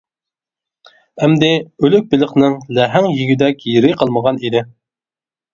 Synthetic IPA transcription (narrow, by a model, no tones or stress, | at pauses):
ɛmd̪ɪølyk̚ʲbɪlˠəqnɨŋlæɦæŋjiɡʲid̪ɛkʲjiɾɪqʰəlˠməʁɑnid̪ɪ